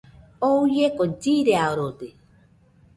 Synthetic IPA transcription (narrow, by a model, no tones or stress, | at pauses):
oujekod͡ʒiɾeaoɾot̪e